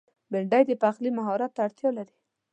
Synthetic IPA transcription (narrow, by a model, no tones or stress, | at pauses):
bɪɾɖajd̪əpaxlimaɦɔɾat̪ːaːɽt̪jɑlaɾi̥